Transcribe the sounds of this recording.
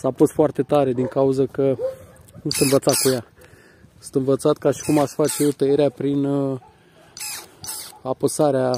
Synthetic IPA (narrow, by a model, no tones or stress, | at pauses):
sapost̪foart̪e̞t̪aɾe̞d̪iŋkauzəkənusɨ̥t̪ɨnvət̪sat̪̚kuja | sɨnt̪ɨnvət̪sat̪kaʃi̥kumaʃfat͡ʃejewt̪əjeɾeapɾin | apəsaɾea